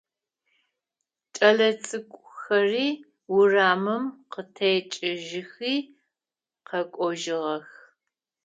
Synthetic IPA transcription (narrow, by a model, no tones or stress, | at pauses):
t͡ʃʼɐɮɐt͡sʼɨkʷʼʊxɐriː | wʊraːmɨmqətʰɐjt͡ʃʼɪʒɪxiː | qɐkʷʼɔʒɪʁɐx